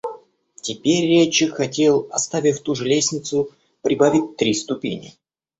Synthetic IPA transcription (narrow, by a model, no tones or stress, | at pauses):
tʲɪpʲerʲːet͡ɕɪxɐtʲe̞lˠɐst̪avʲɪfʲt̪uʐɨlʲesʲnʲɪt̪sʊ | pɾʲɪbavʲɪtʲt̪ɾʲist̪ʊpʲḭnʲɪ̰